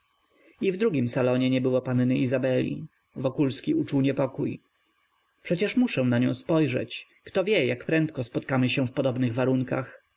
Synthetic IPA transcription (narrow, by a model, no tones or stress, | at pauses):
ivd̪ɾuɡʲimsalɔɲɛɲɛbɘwɔpannɘizabɛlʲḭ | vɔkulskʲiut͡ʂuwɲɛpɔkuj | pʂɛt͡ɕɛʂmuʂɛw̃naɲɔ̃w̃spɔjʐɛ̰t͡ɕ | kt̪ɔvʲjɛjakpɾɛnt̪kɔspɔt̪kamɘɕɛ̃fpɔd̪ɔbnɘɣvaɾuŋka̰x